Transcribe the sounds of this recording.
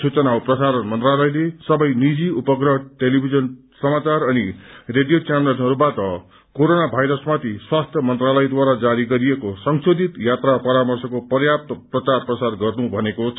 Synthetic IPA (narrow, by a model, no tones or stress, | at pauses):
sut͡sʌnawprʌsaɾʌnmʌnt̪ralʌjlesʌbʌjnid͡ziupʌɡrʌɦʈelibʱid͡zʌn | sʌmat͡sarʌnireɖijot͡samelʌnɦʌɾubaʈʌ | koɾonabʱajɾʌsmat̪ʰiswast̪ʰjʌmʌnt̪ralʌjd̪waɾad͡zaɾiɡʌɾijekosʌŋsod̪ʱit̪jat̪rapʌɾamʌrsʌkopʌrjap̚t̪ʌprʌt͡sarprʌsarɡʌrnubʱʌnekot͡sʰ